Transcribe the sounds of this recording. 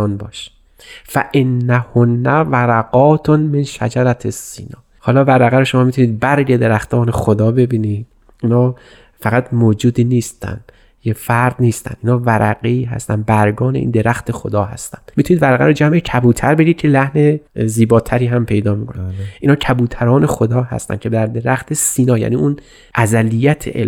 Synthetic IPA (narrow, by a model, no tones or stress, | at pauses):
nbɒːʃ | fæʔenːæhonːævæɾæɡɒːt̪ʰnmenʃæ̰d͡ʒæɾæt̪ʰesːḭnɒː | hɒːlɒːvæɾæɣæɾoʃomɒːmit̪ʰuniːd̪̚bæɾɡed̪eɾæxt̪ʰɒːne̞xod̪ɒːbe̞biːniːd̪ | ʔiːnɒː | fæɣæt̪ʰmoːd͡ʒuːd̪iːniːst̪æ̰nd̪̥ | jefæɾd̪niːst̪æ̰nd̪iːnhɒːvæɾʔæɡeiːɦæ̰st̪ænd̪̚bæɾɡɒːne̞ʔḭnd̪e̞ɾæxt̪ʰe̞xo̞d̪ɒːɦæ̰st̪ænd̪̥mit̪ʰuniːd̪væɾæɣæ̰ɾod͡ʒæmʔecʰæbuːt̪ʰæɾbe̞ɾid̪̚cʰe̞læhneziːbɒːt̪ʰæɾiːɦæmpʰe̞jd̪ɒːmikʰonid̪ʔiːnɒːcʰæbuːt̪ʰæɾɒːne̞xod̪ɒːhæ̰st̪æ̰n̚cʰe̞b̪æɾd̪e̞ɾæxt̪ʰesiːnɒːjæ̰niːʔun | ʔæzælijæt̪ʰḛʔe